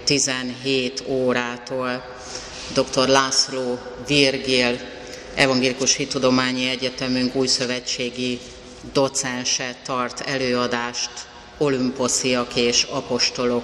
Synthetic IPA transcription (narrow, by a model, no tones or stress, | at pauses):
t̪izɛnɦeːt̪oːɾaːt̪oːl | d̪o̞kt̪o̞rlaːsloːvirɡil | ɛ̰vɒŋɡeːlikuʃhit̪ud̪o̞maːɲiɛɟɛt̪ɛmyŋkuːjsø̞vɛt͡ʃːeːɡi | d̪o̞t̪sɛnʃɛt̪ɒrt̪ɛløːɒd̪aːʃt̪ | o̞lympo̞sijɒkeːʃɒpo̞ʃt̪o̞lo̞k